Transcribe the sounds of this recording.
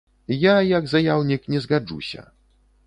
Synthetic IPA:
jajaɡzajawnʲiknʲɛzɣad͡ʐṵɕʲɐ̰

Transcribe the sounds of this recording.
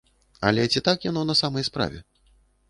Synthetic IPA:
a̰lʲɛt͡sʲit̪akjanɔnɐsamɐjspɾa̰vʲɛ

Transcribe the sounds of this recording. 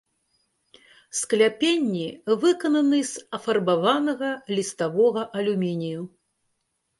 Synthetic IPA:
sklʲapʲenʲːivɨkɐnɐnɨzɐfɐrbavanɐɣɐlʲist̪avɔɣɐʔɐlʲumʲinʲiju

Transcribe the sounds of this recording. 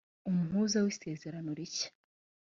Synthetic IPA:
umuɦuːzawise̞ːze̞ɾanoɾice̥

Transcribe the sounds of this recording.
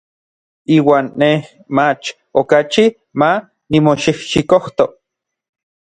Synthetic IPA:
iːwaːnːeh | mat͡ʃ | okat͡ʃi | ma | nimoʃihʃikoht̪o

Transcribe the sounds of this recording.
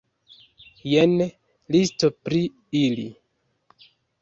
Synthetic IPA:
jen | listopɾi | ili

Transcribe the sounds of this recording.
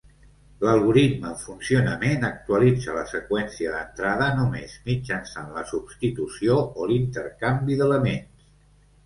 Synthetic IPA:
ləlˠɣuɾit̪məɱfunsiunəmenək̚t̪uəlid͡zələsəkwɛnsiəðənt̪ɾaðənumezmid͡ʒənsanləsubst̪it̪usioolint̪əɾkambiðələmens

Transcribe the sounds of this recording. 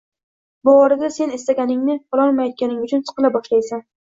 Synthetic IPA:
bʊɒɾɪd̪ase̞ne̞st̪aɡʲanɪŋnɪqʰɒlˠɒnmajɒt̪̚kʲanɪŋʊt͡ʃʰʊnsɨ̥qɨlˠabɒʃlajsan

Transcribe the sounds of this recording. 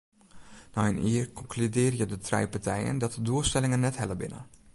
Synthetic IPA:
nɔjəniərkɔŋklydɪːrjədətʰrɛ̰jpartɛjə̰ndɔt̚əduəlˠstɛlɪŋənːɛtɦɛləbɪ̰nə̰

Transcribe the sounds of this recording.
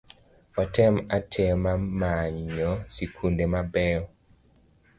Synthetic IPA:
ɔtɛmatʰɛmamaɲɔsikʰundemabɛɔ

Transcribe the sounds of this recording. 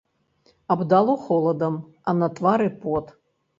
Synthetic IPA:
abd̪alˠoχolˠɐd̪ɐm | anɐt̪ʼvaɾɨpot̪

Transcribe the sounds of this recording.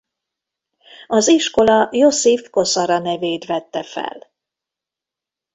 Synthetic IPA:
ɒziʃko̞lɒjo̞sifko̞sɒɾɒnɛveːt̪ʋɛt̪ːɛfɛ̰l

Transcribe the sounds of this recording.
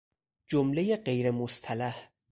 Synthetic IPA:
d͡ʒomlejeɢe̞jɾemost̪ʰælæh

